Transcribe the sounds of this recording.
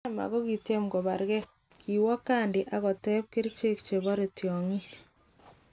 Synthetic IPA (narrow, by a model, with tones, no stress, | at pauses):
ma̰˨ɣɔ˦ki˨te˦mɡɔ˨ba˨ɾɡɛ˦ | ki˨wɔ˦kːa˦ndi˨ʔa˦ɣɔ˨tɛ˦p̚kɪ˦ɾt͡ʃe˦kt͡ʃe˨βɔ˦ɾe˨tjɔ˨ŋi˦